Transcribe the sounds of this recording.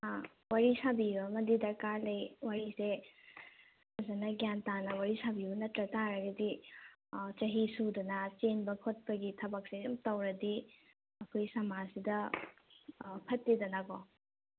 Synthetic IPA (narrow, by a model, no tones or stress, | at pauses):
a | waɾisabiɐmɐdidɐɾkaɾlɐjwaɾise | ɐzanɐɡjantanɐwaɾisabibɐnɐtɾɐtaɾɐɡɐdi | t͡ʃɐɦisudɐnɐt͡ʃenbɐkʰot̚pɐɡitʰɐbɐk̚seumtɐwɾɐdi | ɐkʰojsɐmasidɐ | pʰɐtːidɐnaɡo